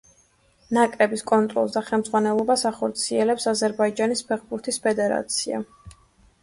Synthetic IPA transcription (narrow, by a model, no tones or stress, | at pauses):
nakʼɾɛbiskʼɔnt̪ʼɾɔ̰lˠsd̪aχɛlˠmdz̥ʁwanɛlˠɔbasaχɔɾt̪sʰiɛlɛpsazɛɾbaid͡ʒanispʰɛχbuɾt̪ʰispʰɛd̪ɛɾa̰t̪sʰia̰